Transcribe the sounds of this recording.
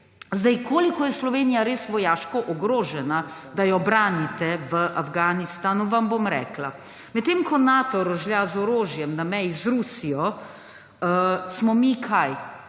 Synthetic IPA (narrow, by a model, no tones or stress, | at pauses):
zd̪ajkʰoːlikɔjɛslɔʋeːnijaɾeːsʋɔjaːʃkɔʔɔɡɾoːʒɛna | d̪ajɔbɾaːnit̪ɛʋəʔafɡaːnist̪aːnuʋambomɾɛ̰ːkla | mɛt̪t̪ːeːmkʰɔnaːt̪ɔɾɔʒljazɔɾoːʒjɛmnamɛjizɾuːsijɔ | əsmɔmikʰaj